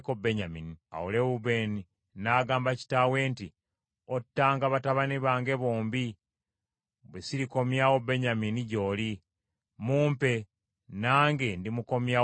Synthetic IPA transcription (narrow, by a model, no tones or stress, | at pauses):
kobeɲaminia̰woleβuβe̞ni | naːɡaːmbaci̥tawe̞ːnti | otːaːŋɡaβataβaniβaːŋɡe̞βoːmbi | βwesiɾiko̞mjawo̞be̞ɲaminiɟo̞ːli | muːmpe̞ | naːŋɡe̞ndimuko̞mja